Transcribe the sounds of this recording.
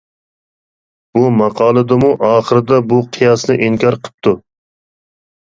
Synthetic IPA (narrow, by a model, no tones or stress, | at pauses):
b̥umɑqʰɑːlˠɨd̪ɨmuʔɑːχəɾɨd̪ɑbuqʰijɑsnɨʔiŋkʲʰɑɾqʰə̥p̚t̪ʰu